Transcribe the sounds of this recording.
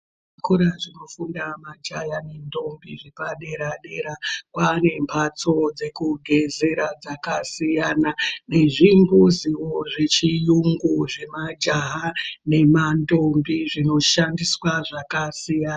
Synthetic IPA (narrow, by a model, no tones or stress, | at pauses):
akuɾaʐino̞fundamad͡ʒajanendo̞mbiʐepaɗe̞ɾaɗe̞ɾakwane̞mpʰat͡so̞d͡ze̞kuɡʱe̞ze̞ɾad͡zakasijanane̞ʐimbuziwoʐe̞t͡ʃijuŋɡuʐe̞mad͡ʒaɦane̞mando̞mbiʐino̞ʃandiswaʐakasijaːna